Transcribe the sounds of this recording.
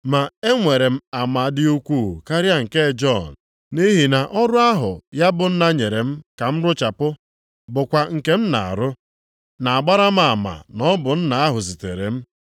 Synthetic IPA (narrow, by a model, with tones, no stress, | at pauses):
ma˨e˦ŋʷe˨ɾe˨m̩˦a˨ma˨dɪ˦u˦kʷu˦˨ka˦ɾja˦ŋ̩˨ke˦d͡ʒɔ˦˨n˨ | ni˦ɦi˨na˨ʔɔ˦ɾʊ˦a˦ɦʊ˨ja˦bʊ˨n̩˦na˦ɲe˨ɾe˨m̩˦ka˨m̩˦ɾʊ˦t͡ʃa˨pʊ˦ | bʊ˨kʷa˨ŋ̩˨ke˦m̩˦na̰˨a̰˨ɾʊ˦ | na˨a˨ɡ͡ba˦ɾa˦m̩˦a˨ma̰˨nɔ˦bʊ˨n̩˦na˨a˦ɦʊ˨zi˨te˨ɾḛ˨m̩˦